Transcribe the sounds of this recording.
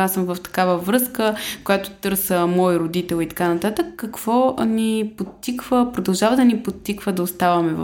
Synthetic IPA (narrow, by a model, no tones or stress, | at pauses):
asəmvəft̪ɐ̥kavəvɾɤskəkojat̪ʊ̥t̪ɤɾsəmɔjɾod̪it̪ɛlˠit̪ɐ̥kanɐt̪at̪əkːɐkv̥ɔnipot̪ːikvəpɾod̪ɐlˠʒavəd̪ɐnipot̪ːikvəd̪ɐost̪avəmɛv̰